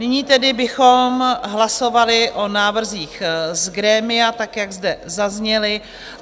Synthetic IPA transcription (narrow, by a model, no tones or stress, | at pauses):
nɪɲiːt̪ɛdɪbɪxo̞mɦlaso̞valɪʔo̞naːvr̩ziːxzɡɾɛːmɪjat̪akjaɡzdɛzazɲɛlɪ